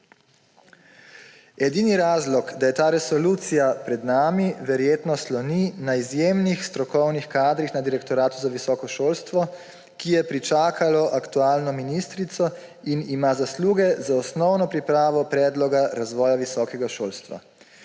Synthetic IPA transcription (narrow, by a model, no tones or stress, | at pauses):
ɛd̪iːniɾaːzlɔkd̪ajɛt̪aːɾɛsɔluːt̪sijapɾɛd̪naːmiʋɛɾjeːt̪nɔslɔninaizjeːmnixst̪ɾɔkɔwnixkaːd̪ɾixnad̪iɾɛkt̪ɔɾaːt̪uzaʋisɔːkɔʃoːlst̪ʋɔ | kijɛpɾit͡ʃaːkʰalɔʔakt̪uaːlnɔminist̪ɾit̪sɔ | inimaːzasluːɡɛzaɔsnɔwnɔpɾipɾaːʋɔpɾɛːd̪lɔɡaɾazʋɔːjaʋisɔːkɛɡaʃoːlst̪ʋa̰